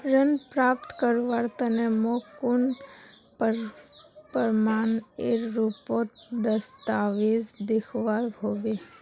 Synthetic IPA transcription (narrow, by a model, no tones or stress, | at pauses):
ɾənpɾaːpt̪kəɾʋaɾt̪ənemokʊn | p | pəɾmaːneɾɾupoːt̪d̪əst̪aːʋeːzd̪ɪkʰʋaːɾɦoːɡe